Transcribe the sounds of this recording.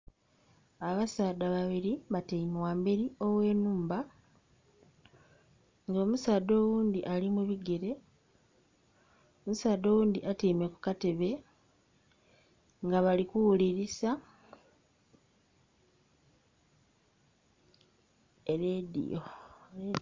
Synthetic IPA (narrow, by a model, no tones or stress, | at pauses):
aβasaːd̪aβaβiɾiβatiimwaːmbeɾio̞we̞ːnuːmba | ŋɡo̞ːmusaːdo̞ːwuːnd̪iʔalimuβiɡe̞ɾe̞ | omusaːd̪o̞ːwuːnd̪iʔatimeku̥kate̞βe̞ | ŋɡaβalikuwuliɾisa | eɾedḭo